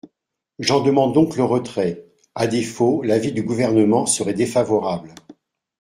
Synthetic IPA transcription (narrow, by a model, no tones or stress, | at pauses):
ʒɑ̃d̪əmɑ̃d̪ːɔ̃kləʁət̪χɛ | ad̪efolavid̪yɡuvɛʁnəmɑ̃səʁɛd̪efavɔʁabl